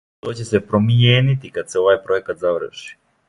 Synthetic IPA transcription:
t̪o̞ːt͡ɕe̞se̞pɾo̞mijeːnit̪ikad̪seo̞ʋajpɾo̞jekat̪zaʋr̩ʃi̥

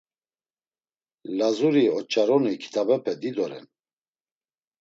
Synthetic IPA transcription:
lazuɾiɔt͡ʃʼaɾɔnikʰi̥t̪ʰabɛpʰɛd̪id̪ɔɾɛ̰n

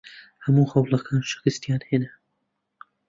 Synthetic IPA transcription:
hɐmuːhɐwlˠɐkʰɑːnʃɨ̥xɨst̪jɑːnheːnɐ

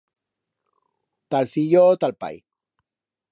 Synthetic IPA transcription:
t̪alfijot̪alpa̰j

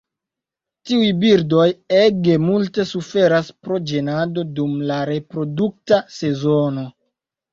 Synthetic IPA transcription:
tiujbiɾdo̞jeɡe̞multe̞sufe̞ɾaspɾo̞d͡ʒenado̞dumlaɾe̞pɾo̞duk̚tase̞zo̞no̞

